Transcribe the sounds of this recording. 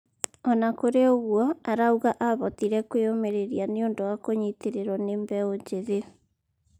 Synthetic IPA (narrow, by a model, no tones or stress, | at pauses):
ɔnakoɾeoɣwɔaɾauɣaʔaβɔtiɾɛkweomeɾeɾianeondowakoɲiteɾeɾɔnembɛoɲd͡ʑeðe